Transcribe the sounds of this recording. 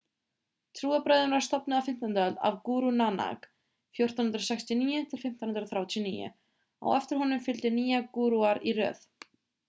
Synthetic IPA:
t̪ʰɾuːapɾaːjðʏnaɾ̥st̪ɔpnɪawfɪm̥t̪ant̪aœlt̪a̰vkuːɾunana̰k | fjowr̥t̪anhʏnɾasɛkst̪ɪniːjʏt̪ʰɪlfɪm̥t̪anhʏnɾaθɾjawt̪ʰjnḭːjɪ̰ | a̰wɛft̪ɪɾ̥ɦɔnʏmfɪlt̪ɪniːjakuːɾuaɾirœ̰ːθ

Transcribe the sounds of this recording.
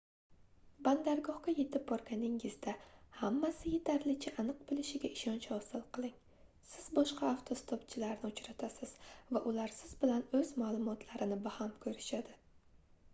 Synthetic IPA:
band̪aɾɡɒhkaje̞t̪ʰɪp̚bɒɾɡʲanɪŋɪzd̪ahamːasɪjet̪ʰaɾlɪt͡ʃʰaʔanɨq̚bɪlɪʃɪɡʲaɪʃɒnt͡ʃhɒsɪlˠqɨlˠɪŋ | sɪz̥bɒʃqɑːft̪ʰost̪ʰopt͡ʃʰɪlaɾnɪʊt͡ʃɾat̪ʰasɪz̥vaʔʊlaɾsɪzbɪlanɵzmalˠʊmɒt̪ʰlaɾɪnɪbahamkʰɵɾɪʃad̪ɪ

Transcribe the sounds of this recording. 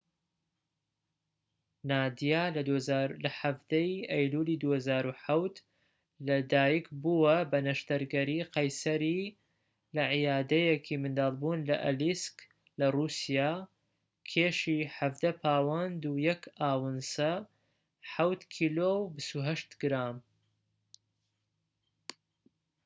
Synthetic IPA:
naːd̪ijaːlzlɐħavd̪ɐjʔɐjluːliːd̪uːhɐzaːɾuħawt̪ | lɐd̪aːjikbuwɐbɐnɐʃt̪ɐɾɡɐɾiːqɐjsɐɾi | lɐʕijaːd̪ɐjekʰimɨnd̪ɑːlbuːnlɐ̰ʔɐ̰lisk | lɐrusijaː | kʰeːʃiːħavd̪ɐpʰaːwand̪ujɐkʰaːwɨnsɐ | ħawt̪kʰiːloːwbɨst̪uɦɐʃt̪ɡɾaːm

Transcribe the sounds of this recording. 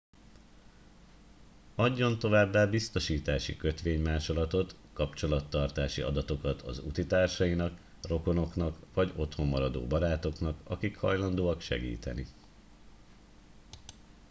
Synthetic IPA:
ɒɟːo̞nt̪o̞vaːbːaːbist̪o̞ʃiːt̪aːʃḭkø̞t̪ʋeːɲmaːʃo̞lɒt̪o̞t̪ | kɒpt͡ʃo̞lɒt̪ːɒrt̪aːʃiɒ̰d̪ɒt̪o̞kɒt̪ʰɒ̰zṵt̪it̪aːrʃɒinɒk | ro̞ko̞no̞knɒkʋɒɟo̞t̪ho̞mːɒɾɒd̪o̰ːbɒɾaːt̪o̞knɒkɒ̰kikhɒ̰jlɒnd̪oːɒkʃɛ̰ɡḭːt̪ɛ̰nḭ

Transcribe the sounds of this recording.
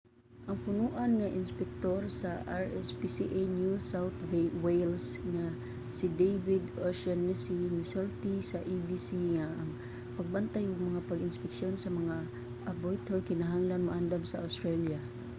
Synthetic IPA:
ʔaŋpʊnuʔanŋaʔɪnspɛk̚t̪orsaʔaɹɛspisiʔenjusawt̪wwejlsŋa | sid̪ejvɪd̪ʔoʃanːasinisoɹt̪isaʔibisiŋaʔːŋ | paɡ̚bant̪ajʊɡ̚maŋapaɡɪnspɪkʃionsamaŋa | ʔabojt̪orkɪnaɦaŋlanmaʔand̪amsaawst̪ɾalja

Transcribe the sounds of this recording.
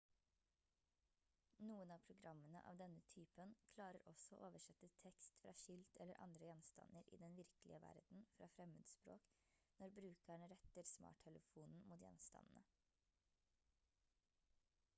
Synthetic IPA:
nuːənɑːpʰɾʊɡɾɑmːənə̰ʔɑ̰ːʋd̪ɛnət̪ʰyːpənkʰlɑːɾəɾʔɔsɔo̰ːʔoːʋəʂɛt̪ːət̪ʰɛkst̪fɾʔɑ̰ːʃʏlt̪ʰɛlːəɾʔɑ̰nd̪ɾəjɛnst̪ɑ̰nəɾʔḭːd̪ɛnʋɪɾkəlʔɪ̰əʋæ̰ɾd̪n̩fɾɑːfɾɛmʉ̰ːd̪spɾo̰ːknɔɾbɾʉːkæɳəɾɛt̪əɾsmɑ̰ːʈʰɛləfuːnn̩muːt̪jɛ̰nst̪ɑ̰nn̩ə

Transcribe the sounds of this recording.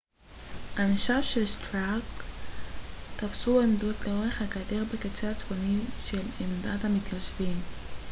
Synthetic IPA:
hanʃafʃelst̪ʁak | t̪afsuemdot̪leoʁeχakadeʁbeket͡seat͡svoniʃelemd̪at̪hamit̪kaʃvim

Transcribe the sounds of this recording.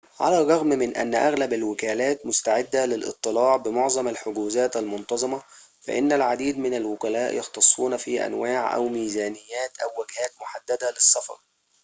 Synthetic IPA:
ʕa̰lærˤːɑɣmmɪnʔæ̰nːʔæɣlæbalwɪkæːlæːt̪mʊst̪aʕed̪ːælɪlʔɨ̰t̪ˤːɨlɑːʕbɪmoʕzˤɑmalħoɡuːzæːt̪ælmont̪ɑzˤɨmɑ | fæ̰ʔɪnːælʕad̪iːd̪mɪnælwʊkælæːʔjɑxt̪ɑsˤːuːnfiːʔæ̰nwaːʕʔæ̰wmiːzæːnɪjːæːt̪ʔæwːæɡhæːt̪moħad̪ːæd̪ælɨsˤːɑfɑ̰ɾˤ

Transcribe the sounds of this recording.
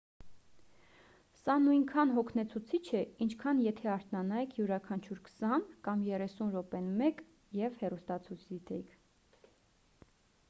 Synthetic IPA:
sɑnujŋkʰɑnɦɔkʰnɛt͡sʰut͡sʰit͡ʃʰɛint͡ʃʰkʰɑnjɛt̪ʰɛɑɾt̪nɑnɑikʰjuɾɑkʰɑnt͡ʃʰuɾkʰə̥sɑnkɑmjɛrɛsunɾɔpɛnmɛk | jɛvhɛrust̪ɑt͡sʰut͡sʰd̪it̪ʰɛikʰ

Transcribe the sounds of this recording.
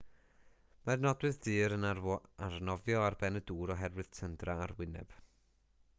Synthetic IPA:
marnɔdwɨðdɨːɾənarwɔarnɔvjɔarbɛnəduːɾɔɦɛrwɨð̥tʰəndraːrwɪnɛ̰b̥

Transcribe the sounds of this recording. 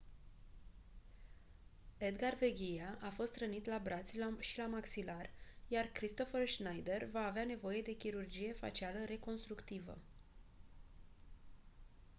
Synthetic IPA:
e̞d̪ɡarveɡʲijaʔafo̞st̪ɾənit̪labɾʔat̪sʲʃilamaksilarjarkɾist̪o̞fərʃnajd̪e̞rvaːveane̞vo̞je̞d̪e̞kʲiɾurd͡ʒije̞fa̰t͡ʃialəɾe̞ko̞nst̪ɾukt̪ivə̰

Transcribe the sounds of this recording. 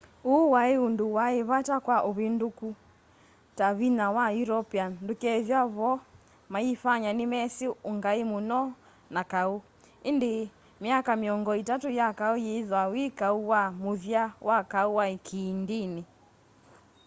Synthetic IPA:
uwaeunduwaeβatakwaʔoβinduku | taβinawajuɾɔpiandukɛðjaβɔ | maifaɲanimɛsiuŋɡaimunɔ | nakau | inde | miakamiɔŋɡɔitatujakaujeðwawikauwamuðjawʔakauwaikʰindini

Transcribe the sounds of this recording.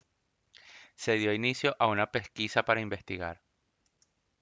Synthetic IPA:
se̞ðjo̞inisjo̞ʔaunape̞skisapaɾaimbe̞st̪iɣa̰ɾ

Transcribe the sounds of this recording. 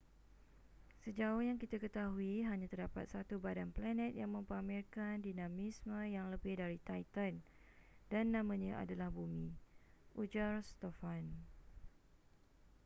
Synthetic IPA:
səd͡ʒaʊhjaŋkit̪akət̪aɦuiɦaɲãt̪ərdapat̪̚sat̪ubadanplanɛ̃t̪̚jaŋmə̃mpamɪlkandinãmismə̃jaŋləbɪhdaɾit̪ajt̪an | danːãmə̃ɲãʔa̰dalahbumĩʔud͡ʒarst̪ɔfan

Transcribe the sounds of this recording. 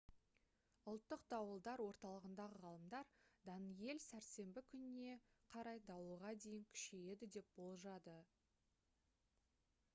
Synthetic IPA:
ʊlˠt̪ːəq̚d̪ɑwəlˠd̪ɑɾwo̞ɾt̪ɑlˠəʁənd̪ɑʁəʁɑlˠəmd̪ɑɾd̪ɑnije̞lsæɾt̪se̞mbɪkʲʰʏnɪnːe̞qʰɑɾɑjd̪ɑwəʁɑd̪e̞jɪŋkʲʰɪ̥ʃeje̞d̪ɪd̪e̞p̚bo̞lˠʒɑd̪ə

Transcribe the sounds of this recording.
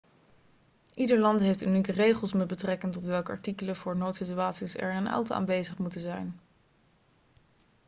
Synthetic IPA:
ʔidəɹlɑntɦejftynikərejχəlˠsmɛd̚bətrɛkəntɔtʋɛlˠkəɑ̰ɹtikələv̥ʊːɹnowtsityaːtsisɛ̰ɹɪnənɑ̰wtʔa̰ːnʋejzəχmutənzɛjn

